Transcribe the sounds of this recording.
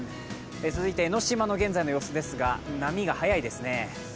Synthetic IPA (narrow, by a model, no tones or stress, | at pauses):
et͡sɨzɨit̪e̞ːno̞ɕimano̞ɡẽ̞nd͡zainojo̞ːsod̪e̞sɨɡanamʲiɡahajaid̪e̞sɨne̞